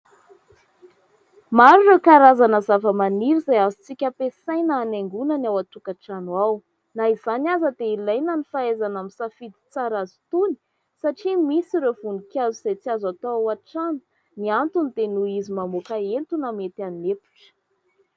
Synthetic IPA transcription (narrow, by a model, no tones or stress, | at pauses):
maɾurekaɾazanəzavəmaniɾizajazut͡sikʲapesajnaːneŋɡunənawat̪ukaʈ͡ʂanwaw | naizanazəd̪eilajnanifaezanamisafid̪i̥t͡saɾazu̥t̪uni̥ | saʈ͡ʂimisiɾevunikjaziz̥ejt͡siazat̪aawaʈ͡ʂanu̥ | niant̪unid̪enuizimamokaent̪unamet̪iannːepu̥ʈ͡ʂə̥